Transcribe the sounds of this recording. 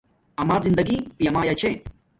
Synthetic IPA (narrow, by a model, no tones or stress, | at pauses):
ɐmaːzind̪ɐɡipijɐmaːjat͡ɕʰe